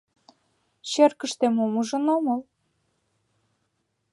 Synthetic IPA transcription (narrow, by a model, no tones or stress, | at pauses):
ɕerkə̆ʃt̪emomuʒə̆noməl